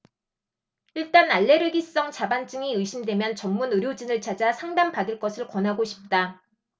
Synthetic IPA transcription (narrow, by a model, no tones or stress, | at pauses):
iɭt͈anaɭːe̞ɾɯɡis͈ʌŋt͡ɕabant͡ɕ͈ɯŋiɯɕʰimdwe̞mjʌnt͡ɕʌmːunɯɾjod͡ʑinɯɭt͡ɕad͡ʑasʰaŋdampadɯɭk͈ʌsʰɯɭkwʌnɦaɡoɕʰi̥p̚t͈a